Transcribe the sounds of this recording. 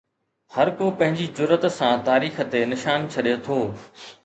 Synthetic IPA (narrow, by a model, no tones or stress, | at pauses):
hɐɾkopɐ̃ɦɪ̃ɲd͡ʑid͡ʑʊɾət̪sãt̪aːɾiːxə̆t̪enɪʃaːnt͡ɕʰɐɗjot̪ʰoː